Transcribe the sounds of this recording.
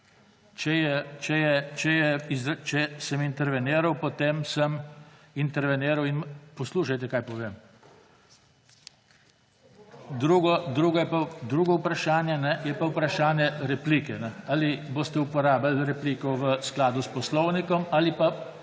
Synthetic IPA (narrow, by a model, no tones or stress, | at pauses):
t͡ʃɛjɛt͡ʃɛjɛt͡ʃɛjɛizt͡ʃɛsəmint̪ɛɾʋɛneːɾawpɔt̪eːmsəm | int̪ɛɾʋɛneːɾawinpɔsluːʃajt̪ɛkaːjpɔʋeːm | d̪ɾuɡɔd̪ɾuːɡɔjɛpad̪ɾuːɡɔupɾaʃaːnjɛnɛjɛpaupɾaʃaːnjɛɾɛpliːkɛnɛaliboːst̪ɛupɔɾaːbalɾɛpliːkɔʋəsklaːd̪uspɔslɔwnikɔmalipa